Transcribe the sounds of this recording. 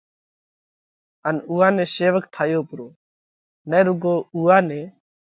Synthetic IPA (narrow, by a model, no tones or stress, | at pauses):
ənuːãːnẽːseːʋəkʈʰaːjoːpɾoː | nəːɾʊɡoːuːaːneː